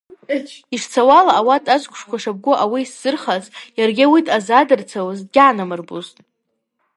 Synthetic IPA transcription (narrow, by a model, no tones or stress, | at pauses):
iʂt͡sʰawalaːwatʼazʷkʷʰʼʂkʷʰaʂab̚ɡʷʊʔawiːsz̥ɨrχazjarɡʲɪwitʼazadɨrt͡sʰawazdɡʲaʕnamɨrbuztʼ